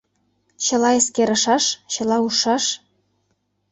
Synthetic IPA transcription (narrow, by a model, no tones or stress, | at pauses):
ɕɤ̆lɑeskeɾɤ̆ʃɑʃɕɤ̆lɑuʃɑʃ